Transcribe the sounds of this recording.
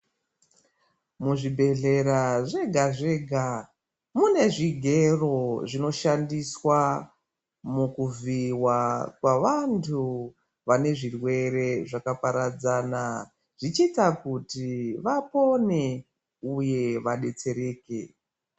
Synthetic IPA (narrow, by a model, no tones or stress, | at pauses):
muʐibʱe̞ɮe̞ɾaʐe̞ɡʱaʐe̞ːɡʱa | mune̞ʐiɡʱe̞ro̞ʐino̞ʃandiswa | mukuviwakwaʋantʰu | ʋane̞ʐirwe̞ɾe̞ʐakapaɾad͡zaːna | ʐ̥it͡ʃitakutiʋapo̞ne̞ | uje̞ʋaɗe̞t͡se̞ɾe̞ːke̞